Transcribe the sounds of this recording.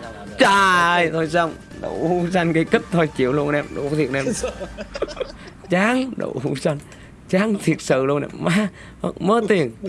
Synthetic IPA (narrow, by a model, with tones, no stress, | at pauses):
t͡ɕaː˧˩jt̪ʰo˧jsa˧˩wŋ͡m | ɗo̰˧˩wu˧sa˧jŋkə˨˦jkə˦˥t̚t̪ʰo˧˩jt͡ɕi˨˧˦əwlu˧ənʔɛ˧mɗo̰˧˦t̪i˨˩nʔɛ˧ | t͡ɕaː˨˦˥ŋɗo̰˧˩hu˧sa˧jŋ | t͡ɕaː˨˦˥ŋt̪ʰi˨˩ət̚sɨ̰˧˨lu˧ənʔɛ̰˧mmaː˨˧˦ | ə̰˧mə˨˦t̪i˨˩ən